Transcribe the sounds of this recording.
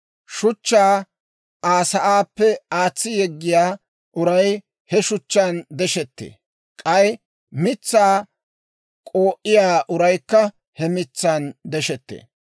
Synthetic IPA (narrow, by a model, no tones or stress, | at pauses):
ʃʊt͡ʃːaː | aːsɐʔaːpːɛaːt͡sːɪjɛɡːɪjaː | ʔʊɾɐj | hɛʃʊt͡ʃːaːnd̪ɛʃɛt̪ːḛː | kʼɐj | mɪt͡sːaː | kʼo̞ːʔɪjaːʔʊɾɐjkːɐ | hɛmɪt͡sːaːnd̪ɛʃɛt̪ːḛː